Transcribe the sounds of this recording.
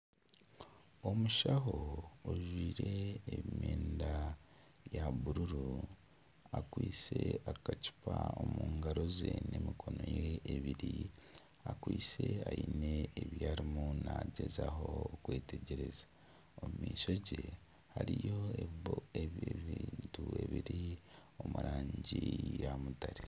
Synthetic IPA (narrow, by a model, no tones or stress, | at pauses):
o̞muʃaɦo̞oʒwiːɾe̞ːmjeːnda | jaβuɾuɾu | akwiːt͡se̞akaci̥paomuːŋɡaɾo̞zene̞mikʰo̞no̞jeːβiɾi | akwiːt͡se̞aine̞ːβjaːɾimunaɟe̞zaɦo̞kwe̞ːteɟeɾe̞za | omumiːʃo̞ɟe | haɾijo̞eeβiːntue̞βiɾio̞muɾaːɲɟijamutaɾe